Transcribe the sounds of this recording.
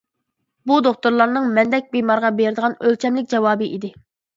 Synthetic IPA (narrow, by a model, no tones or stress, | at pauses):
bud̪oχt̪uɾlˠɑɾnɨŋmɛnd̪ɛk̚ʲbemɑɾʁɑbeɾɪd̪əʁɑnølt͡ʃʰɛmlɪk̚ʲd͡ʒɛwɑːbɨʔid̪ɪ